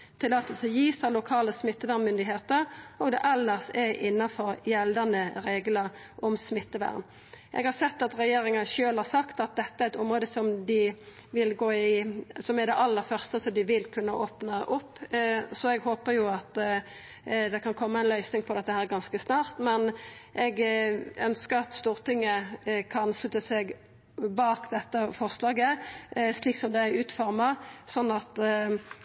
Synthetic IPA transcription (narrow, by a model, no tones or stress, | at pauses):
t̪ʰɪlɑt̪ːəlsɛjiːsɑlʊkʰɑːləsmɪt̪ːəʋæʁnmʏnd̪ɪɦeːt̪əɾɔɡd̪ɛ̰ʔɛlːəʁsɛʔɪnːɑfɔɾjɛld̪ɑnəɾeːɡlə | ʔɔmsmɪt̪ːəʋæ̰ʁn | ʔɛ̰ɡhɑɾsɛt̪ːɑt̪ɾɛjeːɾɪŋɑnʃøːlhɑɾsɑkt̪ɑt̪̚d̪ɛt̪ːəæɾɛt̪ʊmʁoːd̪əsɔmd̪ɪ | ʋɪlɡoːɪsɔmɛɾd̪ɛʔɑlːəɾfœɾst̪əsɔmd̪ɪʋɪlkʰʉnːəʔoːpnɑʔʊpːsɔɛɡɦoːpəjʊɑt̪ | d̪ɛkʰɑnkʰɔmːəæɪnlœʏsnɪŋpʰɔd̪ɛt̪ːəhæːɾɡɑnskəsnɑːʁt̪mɛnʔɛɡœnskəɾɑt̪st̪uːʁt̪ɪŋːəkʰɑnslʉt̪ːəsɛɡ | bɑːkd̪ɛt̪ːəfɔʁslɑːɡəsliːksɔmd̪ɛæʉːt̪fɔʁmɑsɔnːɑt̪